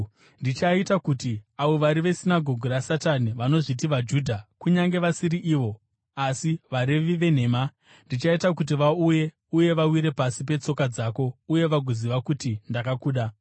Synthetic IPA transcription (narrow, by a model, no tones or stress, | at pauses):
ndit͡ʃaitakutiaʋo̞ʋaɾiʋe̞sinaɡʱo̞ɡʱurasataniʋano̞ʐitiʋad͡ʒuːdʱakuɲaŋɡe̞ʋasiɾiʔiːʋo̞ | asiʋaɾiʋiʋe̞n̤e̞ːma | ndit͡ʃaitak̬ut̬iʋauje̞ | uje̞ʋawiɾe̞pasip̬e̞t͡so̞kad͡zaːko̞uje̞ʋaɡʱoziʋakutindakakuːɗa